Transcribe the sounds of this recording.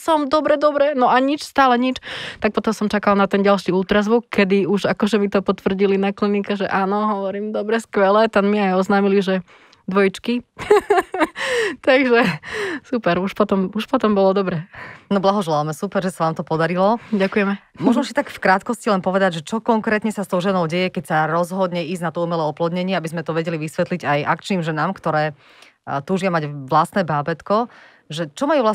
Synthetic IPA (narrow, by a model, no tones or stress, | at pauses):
sɔmd̪ɔbɾɛd̪ɔbɾɛnɔʔaɲit͡ʃst̪aːlɛɲit͡ʃt̪ak̚pɔt̪ɔmsɔmt͡ʃakalˠnat̪ɛnɟalˠʃiuːt̪ɾazʋukːɛd̪iuʒakɔʒɛmit̪ɔpɔt̪ʋr̩ɟilinaklinikɛʒɛ̰ʔaːnɔɦɔʋɔɾiːmd̪ɔbɾɛskʋɛlɛt̪ɛnmiajɔznaːmiliʒɛ | d̪ʋɔjit͡ʃki | t̪aɡʒɛsupɛɾuʃpɔt̪ɔmuʃpɔt̪ɔmbɔlɔd̪ɔbɾɛnɔblaɦɔʒɛlalmɛsupɛɾʒɛsaʋaːmt̪ɔpɔd̪aɾilɔɟakujɛmɛmʊɔʒnɔsit̪akfkɾaːt̪kɔscilɛnpɔʋɛd̪aɟʒɛt͡ʃɔkɔŋkɾɛːt̪ɲɛsast̪ɔʊʒɛnɔʊɟɛjɛkɛcsaɾɔzɦɔd̪ɲɛiːznat̪ɔumɛlɛɔplɔd̪ɲɛɲɪɛabizmɛt̪ɔʋɛɟɛliʋisʋɛt̪liɟajʔakt͡ʃniːmʒɛnaːmkt̪ɔɾɛː | t̪uːʒɪamaɟʋlast̪nɛːbaːbɛt̪kɔ | ʒɛt͡ʃɔmajuːʋla